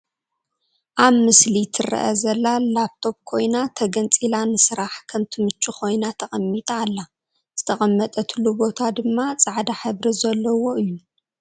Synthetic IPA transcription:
ʔaβmɨslit̪ʰɨrɐ̰ʔɐ̰zɐlːalap̚t̪ʰo̞p̚kʰo̞jnat̪ʰɐɡɐnt͡sʼilanɨsɨɾaħkʰɐmt̪ʰɨmɨt͡ʃʼːukʰo̞jnat̪ʰɐχʼɐmːit̪ʼaːlːa | z̥ɨt̪ʰɐχʼɐmːɐt̪ʼɐt̪ʰɨlubo̞t̪ʰad̪ɨmːat͡sʼaʕd̪aħɨβɾizɐlːɐwo̞ʔɨjːu

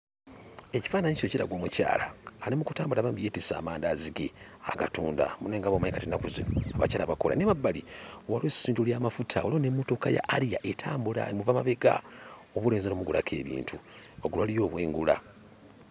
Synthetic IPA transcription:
e̞ci̥faːnaɲisociɾa̰ɡwoːmuca̰ːlaːlimuku̥taːmbulaːβaːmbijeːtisa̰ːmaːndaziɡe | a̰ɡatuːnda̰muneːŋɡaβomaɲikatinakuzinoaβa̰caːlaβakola̰nemabːaliwalwesiːntuljaːmafutʰaolionemːoto̞kaja̰ʔːɾija̰ʔetʰaːmbula̰muvamaβeɡa̰o̞βule̞ːnzanomuɡula̰kʰe̞ːβḭːntʰu | oɡulwalijo̞ːβwḛːŋɡula̰

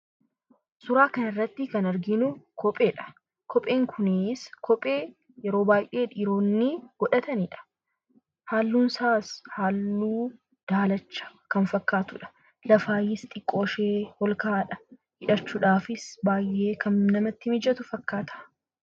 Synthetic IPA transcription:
sʊɾaːkɐnɪrːɐt̪ːɪkɐnɐɾɡɪnʊkʰɔpʼeːᶑɐ̥ | kʰɔpʼːeːŋkʰʊnɪskʰɔpʼe̞ː | jɛɾoːbaːjʔeːᶑɪɾo̞ːnːɪɡ̥ɔᶑɐt̪ɐniᶑɐ̥ | haːlːuːnsaːshaːlːuː | d̪̥aːlɐt͡ʃːɐ̥kɐnfɐkːaːt̪ʊᶑɐ̥ | lɐfaːjɪst̪ʼɪkʼːo̞ːʃeːhɔlkaːᶑɐ | hɪᶑɐt͡ʃːuːᶑaːfɪsbaːjʔe̞ːkɐnnɐmɐt̪ːɪmɪd͡ʒɐt̪ʊfɐkːaːt̪ʰɐ̥

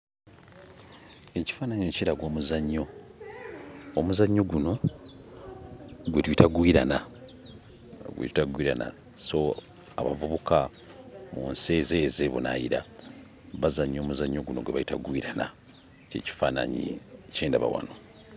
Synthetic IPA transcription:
e̞ci̥faːnaɲociɾaɡwo̞ːmuzaɲːo̞ | muzaɲːo̞ɡuno̞ | ɡwetwitaɡwiɾana | ɡwḛtaɡwiɾana̰ | so̞ | a̰βa̰vuβuka | muːnse̞ːzeːze̞βuna̰jiɾa̰ | βazaɲːo̞ːmuzaɲːo̞ɡuno̞̰ɡweβaitaɡwiɾana | ceːci̥faːna̰ɲḭceːndaβa̰wa̰no

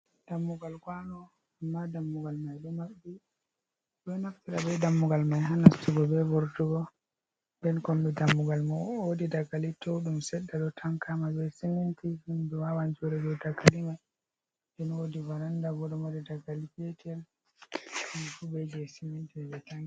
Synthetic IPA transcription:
d̥amːuɡalɡwanɔ | amːadamːuɡalmajɗumaɓːi | ɗɔnaftiɾabɛdamːuɡalmajɦanastuɡɔbɛbɔɾtuɡɔ | ndɛnkɔmbɛdamːuɡalmaodidaɡalitʰɔwɗumsɛɗːaɗɔtʰaŋkamabɛsimintihinduwawand͡ʒoɾɛd͡ʒɔdaɡalimaj | dɛnodivaɾandaɡɔɗɔmodidaɡalikɛtʰɛl | ɗumfubɛd͡ʒɛsimintiɛbɛtaŋɡi

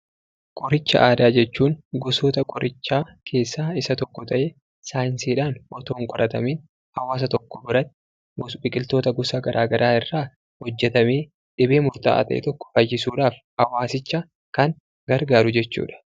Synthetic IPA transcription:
kʼɔɾɪt͡ʃːɐ̰ʔaːd̪aːd͡ʒɛt͡ʃːuːŋɡɔsoːt̪ɐkʼɔɾʔɪt͡ʃːaːkʰe̞ːsːaːɪsɐt̪ɔkːɔt̪ʰɐʔeː | saːjɪnsiːᶑaːnʔɔt̪oːŋkʼɔɾɐt̪ɐmiːn | hɐwaːs̬ɐt̪ɔkːɔbʊɾɐt̪ | ɡbɪkʼɪlt̪o̞ːt̪ɐɡɔsaːɡɐɾʔaːɡɐɾʔaːɪrːaː | hɔd͡ʒːɛt̪ɐmeː | ᶑɪbe̞ːmʊɾt̪a̰ːt̪ɐ̰ʔḛːt̪ɔkːɔ̥fɐjːɪsuːᶑaːf | hɐwaːsɪt͡ʃːɐ | kɐŋ | ɡɐɾɡaːɾʊd͡ʒɛt͡ʃːṵːᶑɐ̥

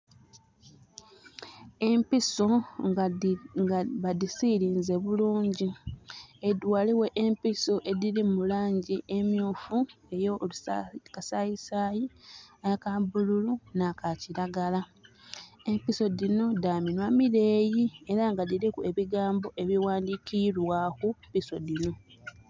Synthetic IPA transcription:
e̞mpiso̞ | ɡβadisiɾiːnze̞βuluːɲɟi | edwaːliwe̞ʔempiso̞ʔe̞diɾimulaːɲɟiʔemjuːfue̞jo̞ukasajisaːjiakabululunakaciɾaɡala | e̞mpiso̞dino̞daːminwamiɾe̞ːjie̞ɾaŋɡadiɾikue̞βiɡaːmbo̞ʔe̞βiwaːndikʰiɾwakupiso̞dino̞

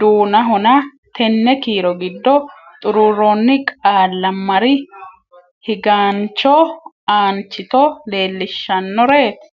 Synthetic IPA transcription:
d̪uːnɐɦɔnɐ | t̪ʰɛnːɛkiːɾɔɡɪd̪ːɔt̪ʼʊɾuɾonːɪkʼaːlːɐmːɐɾɪ | hɪɡaːnt͡ʃːɔ | aːnt͡ʃːɪt̪ɔle̞ːlːɪʃːɐnːɔɾe̞ːt̪

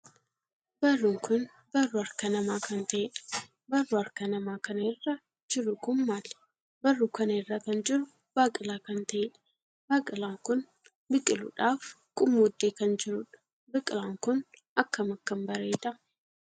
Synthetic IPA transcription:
bɐrːʊŋkʊn | bɐrːʊɐɾkɐnɐmaːkɐnt̪ɐɛᶑɐ̥ | bɐrːʊɐɾkɐnɐmaːkɐnɐɪrːɐ | d͡ʒɪɾʊkʊmːaːl | bɐrːukɐnɐɪrːakɐnd͡ʒɪɾʊ | b̥aːkʼɪlaːkɐnt̪ɐʔeᶑɐ̥ | baːkʼɪlaːŋkʊn | bɪkʼːɪlʊ̰ᶑaːf | kʼʊmːuːd̪ːeːkɐnd͡ʒɪɾʊᶑɐ̥ | bɪkʼɪlaːŋkʊn | ɐkːɐmɐkːɐmbɐɾeːd̪ɐ

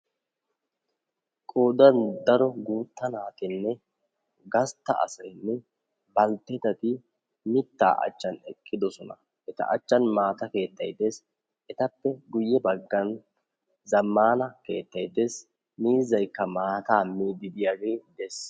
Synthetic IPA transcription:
kʼoːd̪ɐnd̪ɐɾɔɡuːt̪ːɐnaːt̪ɪnːɛ | ɡɐst̪ːɐ̰ɐ̰sɐjnːɛ | bɐlt̪ːɛt̪ɐt̪ɪ | mɪt̪ːa̰ːʔɐ̰t͡ʃːɐnɛ̰kʼːɪd̪ɔsɔnɐ | ʔɛt̪ɐ̰ʔɐ̰t͡ʃːɐnmaːt̪ɐke̞ːt̪ːɐjt̪ːe̞ːs | ʔɛt̪ɐpːɛɡʊjːɛbɐɡːɐn | zɐmːaːnɐke̞ːt̪ːɐjd̪e̞ːs | miːzːɐjkːɐmaːt̪aːmiːd̪ɪd̪ɪjaɡejd̪ɛs

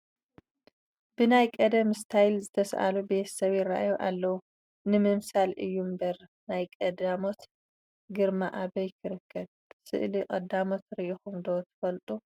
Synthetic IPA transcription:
bɨnajkʼɐd̪ɐmst̪ʰajlzɨt̪ʰɐsʔa̰lube̞t̪ʰɐ̥sɐβɪɾa̰ʔajoʔalːɐwu | nɨmɨmsalʔɨjːumbɐɾ | najkʼɐd̪amo̞t̪ | ɡɨɾmaʔabɐjkʰɨɾɨkʰːɐd̚ | sɨ̰ʔlikʼɐd̪amo̞t̪ɾiʔixumd̪ot̪ʰɨ̥fɐlt̪ʼu

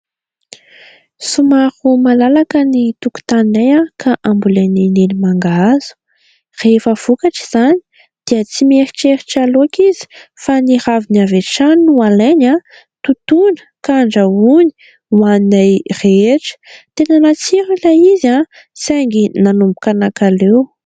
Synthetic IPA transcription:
sumahumalalakənit̪uku̥t̪aninajakʰaʔambulanenelimaŋɡaz̥u̥ | refəv̥ukaʈ͡ʂi̥z̥ani̥ | d̪̥iət͡simeɾi̥ʈ͡ʂeɾiʈ͡ʂaloakizi̥fanihaviniaveʈ͡ʂanualeɲa | t̪ut̪unə̥kaɳɖ͡ʐəuni̥ | waninajreeʈ͡ʂə̥t̪enanat͡siɾilaiza | sajŋɡinanumbukanakalew

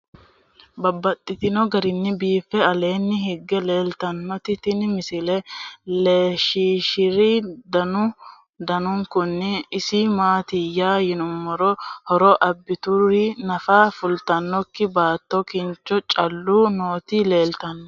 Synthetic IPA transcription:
bɐbːɐt̪ʼːɪt̪ɪnɔɡɐɾɪnːɪbiːfːɛɐle̞ːnːɪɦɪɡːɛle̞ːlt̪ɐnːɔt̪ɪt̪ɪnmɪsɪlɛleːʃiːʃɪɾid̪ɐnʊ | d̪ɐnʊŋkʊnːɪːsimaːt̪ɪjaːjɪnʊmːɔɾɔhɔɾɔʔɐbːɪt̪ʊrinɐfaːfʊlt̪ɐnːɔkːɪbaːt̪ːɔkɪnt͡ʃːɔt͡ʃʼɐlːunoːt̪ile̞ːlt̪ɐnːɔ

